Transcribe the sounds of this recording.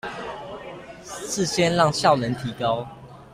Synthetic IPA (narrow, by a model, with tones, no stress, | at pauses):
s̩˥˨ɕjɛ˦nlɑ˥˨ŋɕjɑ˥˨ʊlə˨˦nt̪ʰi˨˦kɑ˦ʊ